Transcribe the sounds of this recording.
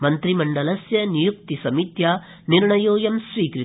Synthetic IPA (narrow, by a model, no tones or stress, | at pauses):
mɐnt̪ɾimɐɳɖɐlɐsjɐnijuk̚t̪isɐmit̪jaː | niɾɳɐjoːjɐmsʋiːkɾɨ